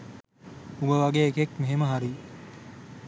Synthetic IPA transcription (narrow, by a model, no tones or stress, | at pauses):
uɡəʋaɡeːkekmeɦeməɦaɾi